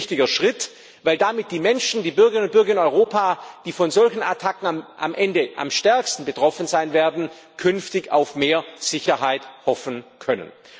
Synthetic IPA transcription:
çtɪɡɐʃʁ̥ɪt | vaɪldamɪt̚d̥iːmɛnʃn̩diːbʏɐɡəʁɪnʊnt̚bʏɐɡɐɪnɔʏʁoːpʰaːd̥iːfɔnzɔlçn̩atʰakŋ̩aʔa̰mʔɛndəʔa̰mʃtɛɐkstn̩bətʁ̥ɔfənzaɪnveːɐdn̩ | kʰʏnftɪça̰ʊfmeːɐz̥ɪçɐɦaɪthɔfn̩kʰœnə̰n

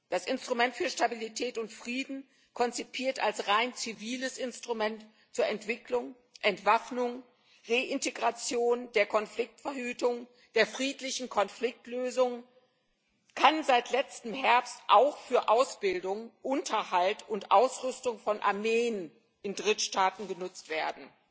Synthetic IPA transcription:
d̥asʔɪnstʁ̥umɛntfyːɐʃtabilitʰɛːtʊntfʁ̥iːdn̩ | kʰɔnt͡sipʰiːɐtalsʁaɪnt͡siviːləsɪnstʁ̥umɛnt | t͡suːɐɛntv̥ɪklʊŋ | ʔɛntv̥afnʊŋ | ʁeːʔɪnteɡʁat͡sjoːndeːɐkʰɔnflɪk̚tfɛɐhyːtʊŋ | d̥eːɐfʁ̥iːtlɪçn̩kʰɔnflɪk̚tløːzʊŋ | kʰanzaɪtʰlɛt͡stəmhɛɐpstʔaʊxfyːɐʔaʊsb̥ɪldʊŋʔʊntʰɐhaltʰʊntʔaʊsʁʏstʊŋfɔnʔa̰ɐmeːən | ʔɪndʁɪtʃtaːtn̩ɡənʊt͡stv̥eːɐdn̩

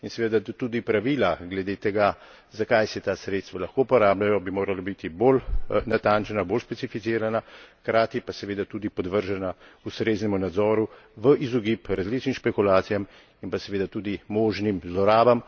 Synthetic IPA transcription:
insɛʋed̪at̪uːd̪ipɾaʋiːlaɡlɛd̪eːt̪ɛɡa | zakajsɛt̪aːsɾet̪st̪ʋalɐxkopɔɾaːblajɔbimoːɾalabit̪ibolnat̪aːnt͡ʃɛnaboːlspɛsifit̪siːɾanaxkɾaːt̪ipasɛʋeːd̪at̪uːd̪ipɔd̪ʋəɾʒɛnaust̪ɾeznɛmunad̪zɔːɾu | ʋəʔizɔɡiːpɾazlit͡ʃnimʃpɛkulaːt̪sijam | inpasɛʋeːd̪at̪uːd̪imɔːʒnimzlɔɾaːbam

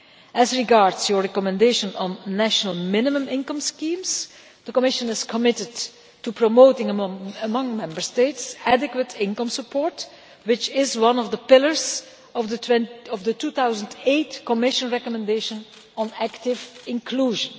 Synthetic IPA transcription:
ʔɛzɹiɡɑɹdz̥jɔɹɹɛkɔmɛ̃ndeɪʃə̃nə̃nːæʃənəlˠmɪnɪmə̃mɪ̃nkə̃mskĩmz | d̪̥əkɔmɪʃə̃nɪzkʰɔmɪtɪd | tupɹɔmoʊtɪ̃ŋəəmʌ̃ŋmɛ̃mbəɹsteɪtsædɪkwətʰɪ̃nkʌ̃msəpʰɔɹt | wɪt͡ʃɪzwʌ̃nɔvd̪əpɪlˠəɹz | ɔvəwɛ̃nɔvd̪ətuːθawzə̃nteɪtkɔmɪʃə̃nɹɛkɔmɛ̃ndeɪʃə̃n | ə̃næktɪvɪ̃nkʰluːʒə̃n

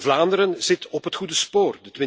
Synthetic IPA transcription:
vlaːndəɾənz̥ɪtəɔpɦətxudəspoːrdətɪ

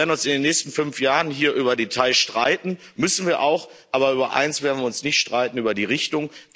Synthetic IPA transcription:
ɐdn̩ʊnsɪndeːnːɛːçstn̩fʏnfjaːʁənɦiːɐʔyːbɐdetʰaɪʃtʁ̥aɪtn̩ | mʏsn̩viːɐʔaʊx | ʔaːβɐyːbɐʔa̰ɪnsv̥eːɐdn̩viːʊnsnɪçtʃtʁ̥aɪtn̩yːbɐdiːʁɪçtʊŋ

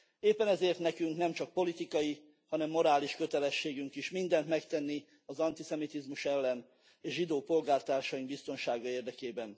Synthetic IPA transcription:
eːpːɛnɛzeːrt̪nɛkyŋknɛmt͡ʃɒk̚po̞lit̪ikɒji | hɒnɛmːo̞ɾaːliʃkø̞t̪ɛlɛʃːeːɡyŋkiʃmind̪ɛnt̪mɛkt̪ɛnːi | ɒzɒnt̪isɛmit̪izmuʃɛlːɛn | eːʃʒid̪oːpo̞lɡaːrt̪aːrʃɒjiŋbist̪o̞nʃaːɡɒeːrd̪ɛkeːbɛn

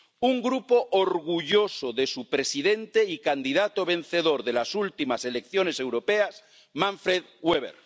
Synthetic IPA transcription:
uŋɡɾupoʔoɾɣuʝo̞soðe̞supɾe̞siðe̞nt̪eikand̪iðat̪oβ̞ẽ̞n̟θe̞ðo̞ɾðe̞lasult̪imase̞le̞kθjonesewɾo̞peas | mãɱfɾeð | weβḛɾ

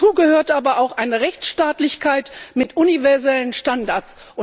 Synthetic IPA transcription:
uːɡəhøːɐtʔaːbɐʔaʊxʔaɪnəʁɛçt͡sʃtaːtlɪçkʰaɪtmɪtʔunivɛɐzɛlənʃtandaɐt͡s | ʔʊ

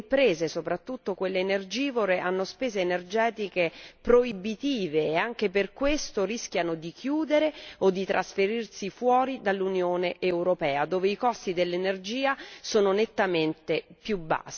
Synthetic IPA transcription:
mpɾeːzesopɾat̪ːut̪ːokwelːeːnerd͡ʒiːvoɾeʔanːospeːzeːnerd͡ʒɛːt̪ikepɾoibit̪iːveːaŋk̟eperkwest̪oɾisk̟janod̪ikjuːd̪eɾeod̪ːit̪ɾasfeɾirsifwɔːɾid̪alːunjoːneʔewɾopɛːad̪oːveikɔst̪id̪elːenerd͡ʒiːasoːnonet̪ːament̪epjubːa̰sː

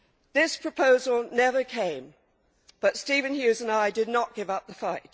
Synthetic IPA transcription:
ðɪspʰɹ̥əpʰoʊzəl̩ˠnɛvə˞kʰẽɪ̃m | b̥ʌtstivɨ̃njʉzə̃naɪdɨdⁿnəʔ̚ɡ̥ɪvʌp̚ðəfaɪt̚

